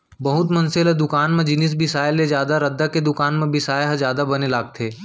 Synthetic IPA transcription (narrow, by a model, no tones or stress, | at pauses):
bɐɦʊt̪mɐ̃nseled̪ʊkaːnmẽd͡ʒɪnis̬bɪsaːjlːed͡ʒjaːd̪aɾɐd̪ːaked̪ʊkaːnmẽbɪsaːjɦd͡ʒjaːd̪abɐnelaːɡ̚t̪ʰeː